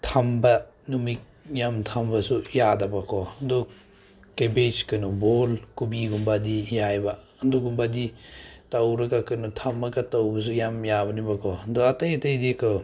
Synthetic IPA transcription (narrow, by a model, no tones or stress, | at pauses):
tʰɐmbɐ | numik̚jamtʰɐmbɐsujadɐbɐkʰɔndɔ | kebet͡ʃkɯnubolkubiɡumbadijajba | ɐnduɡumbaditɐwɾɐɡakɯnutʰɐmɐɡɐtɐwbɐs̬ujamjabɐnibɐkʰɔndɔɐtɐjɐtɐjdikʰɯ